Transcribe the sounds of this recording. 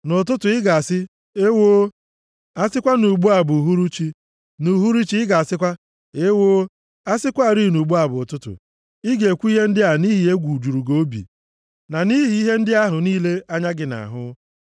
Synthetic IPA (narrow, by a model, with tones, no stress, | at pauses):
nʊ˨t̬ʊ˦tʊ˨ɪ˦ɡa˨a˨sɪ˦ | e˦wo˦ | a˦sɪ˦kʷa˦nu˨ɡ͡bu˦a˨bʊ˨u˨ɦu˦ɾu˦t͡ʃi˦ | nu˨ɦu˦ɾi˦t͡ʃi˦ɪ˦ɡa˨a˨sɪ˦kʷa˦ | e˦wo˦ | a˦sɪ˦kʷa˦a˨ɾi˦˨nu˨ɡ͡bu˦a˨bʊ˨ʊ˨tʊ˦tʊ̰˨ | ɪ˦ɡe˨kʷu˦i˦ɦe˦n̩˦dɪ˦a˦˨ɦʊ˨ni˦ɦɪ˨e˦ɡʷu˨d͡ʒu˨ɾu˨ɡo˦bḭ˨ | na˨ni˦ɦi˨˦i˦ɦe˦n̩˦dɪ˦a˦ɦʊ˨niː˦le˦a˦ɲa˦ɡɪ˨na̰˨ɦʊ˦